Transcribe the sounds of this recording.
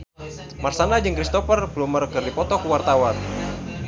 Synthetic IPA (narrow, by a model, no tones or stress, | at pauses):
marsanad͡ʒɨŋkɾist̪ɔfərblumərkɨrdipɔt̪ɔkuwart̪awan